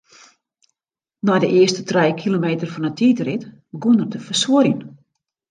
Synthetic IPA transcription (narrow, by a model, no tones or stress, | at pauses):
nɔjdəʔɪəstətrɛjkʰilomeːtərfɔnətʰiːtərɪt | bəɡunərdəfərsuəɾjən